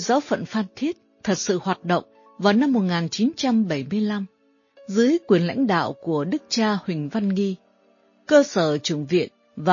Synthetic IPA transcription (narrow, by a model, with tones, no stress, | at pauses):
zaː˨˦wfə̰˧˨nfaː˧nt̪ʰi˦˥ət̚t̪ʰə˨˩t̚sɨ̰˧˨hwaː˨˩t̚ɗə̰˧˨wŋ͡m | vaː˨˩wna˧mːo˨˩t̚ŋaː˨˩nt͡ɕi˨˦nt͡ɕa˧mɓə˧˩jmɨ˧əjla˧m | zɨ˨˦əjkwi˨˩ənla̰˧˥jŋ̟ɗa̰ː˧˨wku˧˩əɗɨ˦˥k̚t͡ɕaː˧hwï˨˩ŋ̟va˧nŋi˧ | kəː˧səː˧˩t͡ɕɨ˧˩əŋvḭ˧˨ən | vaː˨